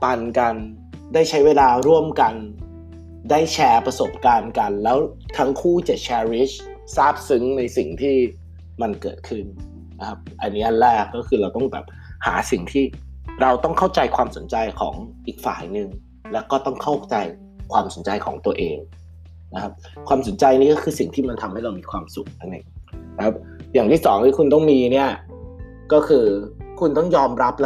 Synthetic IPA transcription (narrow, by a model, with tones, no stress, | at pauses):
pa˧nka˧n | daː˥˩jt͡ɕʰa˦˥jweː˧laː˧ɾu˥˩əmka˧n | daː˥˩jt͡ɕʰɛː˧˥pɾa˧so˨˩p̚kaː˧nka˧nlɛː˦˥wt̪ʰa˦˥ŋkʰuː˥˩t͡ɕa˨˩t͡ɕʰɛː˧ɾi˦˥s | saː˥˩p̚sɯ˦˥ŋna˧jsi˨˩ŋt̪ʰiː˥˩ | ma˧nkɤ̰ː˨˩t̪̚kʰɯ˥˩n | na˦˥kʰa˦˥p̚ʔa˧nːi˦˥ʔa˧nɾɛː˥˩kːɔː˥˩kʰɯː˧ɾa˧wt̪ɔ˥˩ŋbɛ̰ː˨˩p̚ha̰ː˩˦si˨˩ŋt̪ʰiː˥˩ | ɾa˧wt̪ɔ˥˩ŋkʰa˥˩wt͡ɕa˧jkʰwaː˧mso˩˦nt͡ɕa˧jkʰɔ̰ː˩˦ŋʔiː˨˩k̚fa̰ː˨˩jnɯ˧ŋ | lɛ˦˥wkɔː˥˩t̪ɔ˥˩ŋkʰa˥˩wt͡ɕa˧j | kʰwaː˧mso˩˦nt͡ɕa˧jkʰɔ̰ː˩˦ŋt̪u˧ɐʔeː˧ŋ | na˦˥kʰa˦˥p̚ | kʰwaː˧mso˩˦nt͡ɕa˧jniː˦˥kɔː˥˩kʰɯː˧si˨˩ŋt̪ʰiː˥˩ma˧nt̪ʰa˧mha˥˩jɾa˧wmiː˧kʰwaː˧msu˨˩k̚ʔa˧na˦˥na˦kʰa˦˥p̚ | jaː˨˩ŋt̪ʰiː˥˩sɔː˩˦ŋt̪ʰiː˦˥˩kʰu˧nt̪ɔ˥˩ŋmiː˧ni˥˩ɐ | kɔː˥˩kʰɯː˧kʰu˧nt̪ɔ˥˩ŋjɔː˧mɾa˦˥p̚lɛ˦˥